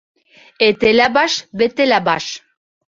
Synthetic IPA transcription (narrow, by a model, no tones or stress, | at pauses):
et̪elæbɑʃβet̪elæbɑʃ